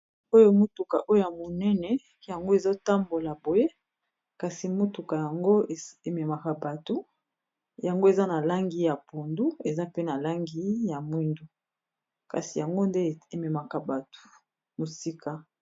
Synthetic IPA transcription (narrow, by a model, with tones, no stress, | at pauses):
o˦jo˦mo˦tu˨ka˨ʔo˦jo˦ja˨mo˨nɛ˦nɛ˨ | ja˨ŋɡo˦e˨zo˦ta˦mbo˨la˨bo˨je˦ | ka˨si˨mo˦tu˨ka˨ja˨ŋɡo˦˨e˨mɛ˨ma˨ka˨ba˨to˦ | ja˨ŋɡo˦e˨za˦na˨la˦ŋɡi˦ja˨pu˨ndu˦e˨za˦pe˦na˨la˦ŋɡi˦ja˨mwi˦ndu˦ | ka̰˨si˨ja˨ŋɡo˦nde˦e˨mɛ˨ma˨ka˨ba˨to̥˨ | mo˨si˦kʰa˨